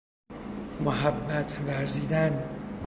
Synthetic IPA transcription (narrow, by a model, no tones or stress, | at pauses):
moɦæbːæt̪ʰvæɾziːd̪æn